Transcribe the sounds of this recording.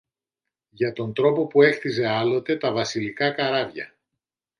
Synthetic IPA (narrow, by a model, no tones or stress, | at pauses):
ʝɐt̪o̞nd̪ɾo̞po̞pue̞xθize̞ɐlo̞t̪e̞t̪ɐvɐsilikɐkɐɾɐvʝɐ̰